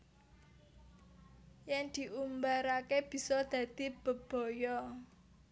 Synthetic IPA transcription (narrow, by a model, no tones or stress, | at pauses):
jɛŋd̪̥i̤ʔumbaɾakeb̥i̤sɔd̪̥ä̤d̪̥i̤b̥ə̤b̥ɔ̤jɔ